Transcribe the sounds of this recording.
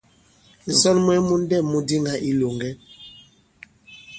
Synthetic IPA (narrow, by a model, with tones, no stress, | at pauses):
n̩˨zɔ˦nm˦ɛ˦mu˦n˦dɛː˦˨u˦di˦ŋɡa˨ʔi˦lo˨ŋɡɛ˦